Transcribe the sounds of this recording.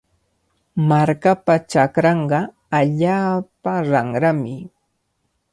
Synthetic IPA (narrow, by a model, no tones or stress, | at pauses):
maɾkapat͡ʃakɾɑɴɢɑ | aʎaːpaɾɑŋɾamɪ